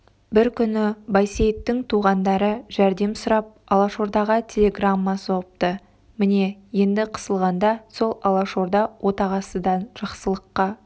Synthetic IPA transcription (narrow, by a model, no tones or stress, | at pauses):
bɪɾkʲʰʏnɪbɑjsejt̪ːɪŋt̪ʰuʁɑnd̪ɑɾəʒæɾd̪e̞msʊɾɑp̚ɑlˠɑʃo̞ɾd̪ɑʁɑt̪ʲʰe̞lʲe̞ɡramːɑsop̚t̪ə | mɪne̞je̞nd̪ɪqʰə̥səlˠʁɑnd̪ɑso̞lˠɑlˠɑʃo̞ɾd̪ɑwʔo̞t̪ɑʁɑsəd̪ɑnʒ̥ɑqsəlˠəqːɑ